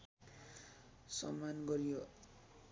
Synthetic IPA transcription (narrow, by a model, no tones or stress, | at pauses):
sʌ̰mːanɡʌɾijo